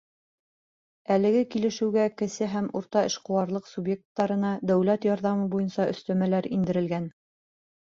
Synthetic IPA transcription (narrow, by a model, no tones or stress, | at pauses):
ælɘ̆ɡɘkilɘ̆ʃɘ̆wɡækɘ̆sɘɦæmuɾt̪ɑɘ̆ʃqŏwɑɾlˠɤqsubje̞k̚t̪ːɑɾɤ̆nɑd̪æwlæt̪jɑɾðɑmɤbujɤnsɑʔɵ̆st̪æmælæɾind̪ɘ̆ɾɘ̆lɡæn